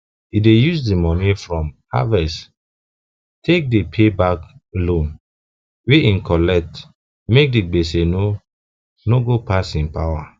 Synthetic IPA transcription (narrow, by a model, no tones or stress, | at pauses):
idejusdimɔnifɹɔ̃m | a̰vɛs | tʰek̚depʰebaklõn | weʔĩnkʰɔlɛk̚t | mek̚diɡ͡beseno | noɡopasĩnpawa